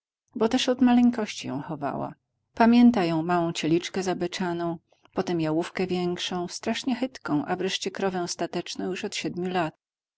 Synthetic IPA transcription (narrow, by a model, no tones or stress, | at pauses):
bɔt̪ɛʂɔd̪malɛŋkɔɕt͡ɕijɔ̰̃w̃xɔva̰wa̰ | pamʲjɛnt̪ajɔ̃w̃mawɔ̃w̃t͡ɕɛlʲit͡ʂkɛzabɘt͡ʂanɔ̃w̃ | pɔt̪ɛmjawufkɛvʲjɛŋkʂɔ̃w̃st̪ɾaʂɲɛxɘt̪kɔ̃w̃ʔavɾɛʂt͡ɕɛkɾɔvɛ̃w̃st̪at̪ɛt͡ʂnɔ̃w̃juʂɔt̪ɕɛd̪mʲjulat̪̚